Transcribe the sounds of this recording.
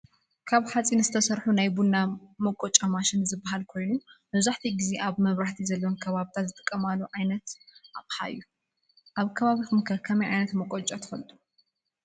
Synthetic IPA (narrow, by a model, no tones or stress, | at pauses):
kʰaβħat͡sʼinɨzɨt̪ʰɐsɐɾħunajbunːamɐkʼːot͡ʃʼamaʃɪnzɨbːahalkʰo̞jnumɐβzaħt̪ʰiɡize̞ʔaβmɐβɾaħt̪ʰizɐlːɐwonkʰɐβaβt̪ʰat̪zɨt̪ʼɨ̥kʼːɐmalːuʕajnɐt̪ʔaβħa̰ɨ̰jːu | ʔaβkʰɐβaβixumɨkʰɐkʰɐmɐjʕajnɐt̪mɐkʼot͡ʃʼat̪ʰɨ̥fɐlt̪ʼu̥